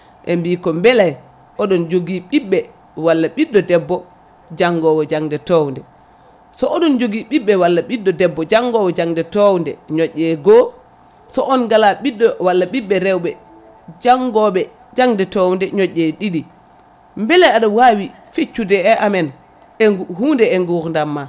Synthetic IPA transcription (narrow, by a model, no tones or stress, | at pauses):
ʔɛmbiːkɔmbɛlaj | ʔɔɗɔnd͡ʒoɡiɓiɓːɛ | walːaɓidːɔdɛbːɔ | d͡ʒaŋɡɔwɔd͡ʒaŋdɛtɔwndɛ | sɔʔɔɗɔnd͡ʒoɡiɓiɓːɛwalːaɓidːɔdɛbːɔd͡ʒaŋɡɔwɛd͡ʒaŋdɛtɔwndɛ̰ɲɔʔːɛɡɔ | sɔʔɔnɡalaɓidːɔwalːaɓiɓːɛɾɛwɓɛ | d͡ʒaŋɡɔɓɛ | d͡ʒaŋdɛtɔwndɛɲɔʔːɛɗiɗi | mbɛlɛaɗɔwawi | fet͡ʃːudɛɛʔamɛn | ɛhuːndɛɛŋɡuɾndamːa